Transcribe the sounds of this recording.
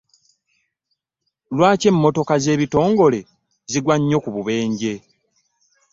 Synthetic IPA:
lwaːce̞mːo̞to̞kaze̞ːβito̞ːŋɡo̞le̞ | ziɡwaɲːo̞kuβuβe̞ːɲɟe̞

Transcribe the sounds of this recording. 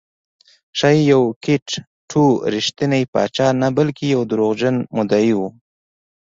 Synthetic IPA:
ʃajjawkɪʈ | ʈʰuɾiʃt̪inajpɑ̰t͡ʃɑnabalkijawd̪ɾoɣʒanmʊd̪ajiwu

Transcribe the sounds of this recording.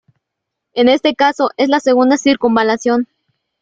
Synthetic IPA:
e̞ne̞st̪e̞kaso̞ʔe̞zlaseɣund̪asiɾkumbalasjo̞n

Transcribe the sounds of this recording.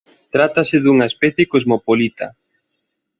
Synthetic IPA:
t̪ɾat̪asɪðuŋɐespɛθjekozmopolit̪a̰

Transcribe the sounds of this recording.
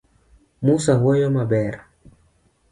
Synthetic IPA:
musaɦwɛjɔmaɓɛɾa

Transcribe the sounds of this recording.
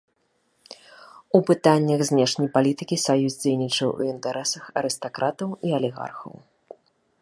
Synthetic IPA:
upɨt̪anʲːɐɣzʲnʲɛʂnʲɐjpalʲit̪ɨkʲisajuzʲd͡zʲejnʲit͡ʂɐwṵint̪ɛɾɛsɐxɐ̰ɾɨst̪akɾat̪ɐwiɐlʲiɣa̰rxɐ̰w

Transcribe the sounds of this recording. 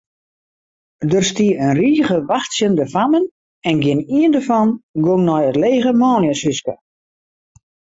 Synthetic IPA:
dərstiəənriːɣəʋaxtsjəndəfamən | ɛnɡɪniəndərfɔnɡoŋnɔjətleːɣəmɔːnjəsyskə̰

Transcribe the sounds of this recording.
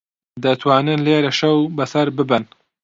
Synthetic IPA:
d̪ɐt̪ʰwaːnɨnleːɾɐʃɐwbɐsɐɾbɨbɨn

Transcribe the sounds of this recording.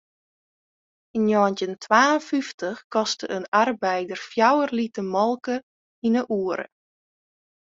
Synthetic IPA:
injɔəntəntʰʋaːənfyftəxkɔstəʔənarbɛjdərfjawərlitəmɔlˠkə | inəʔuːəɾə̰

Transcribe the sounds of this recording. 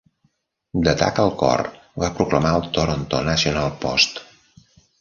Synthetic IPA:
d̪ət̪a̰kəlˠkɔ̰r | βapɾukləmaəlˠt̪oɾont̪onəsiunalˠpɔst̪

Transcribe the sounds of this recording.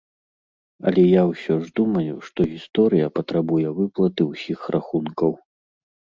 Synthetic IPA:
ɐ̰lʲɛjawsʲɔʐd̪umɐlʲiwʂt̪ɔɣʲist̪ɔɾɨjɐpɐt̪ɾabujɛvɨplˠɐt̪ɨwsʲixrʔaxunkɐw

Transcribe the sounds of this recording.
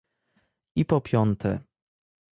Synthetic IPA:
ipɔpʲjɔnt̪ɛ

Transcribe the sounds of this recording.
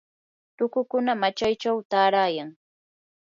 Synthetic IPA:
t̪ʊkʊkʊnamat͡ʃajt͡ʃawt̪aːɾaːjaŋ

